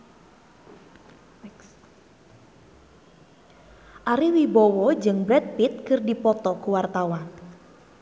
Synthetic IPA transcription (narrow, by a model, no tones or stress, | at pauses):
ʔaɾiwibɔwɔd͡ʒɨŋbɾɛt̪̚pit̪̚kɨrdipɔt̪ɔkuwart̪awan